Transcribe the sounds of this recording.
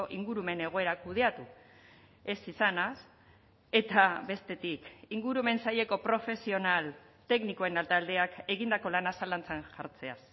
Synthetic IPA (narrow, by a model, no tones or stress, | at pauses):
oʔiŋɡuɾume̞ne̞ɣ̞o̞e̞ɾakuð̞e̞at̪u | e̞sisanas | e̞t̪aβe̞st̪e̞t̪ikiŋɡuɾume̞nsajʎe̞ko̞pɾo̞fe̞sio̞nal | t̪e̞knikoe̞nalt̪ald̪e̞ake̞ɣ̞ind̪ako̞lanasalant͡sanʝaɾt͡se̞as